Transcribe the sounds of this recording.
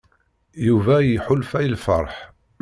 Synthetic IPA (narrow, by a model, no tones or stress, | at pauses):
juvæjiħʊlfæjəlfə̰ɾˤħ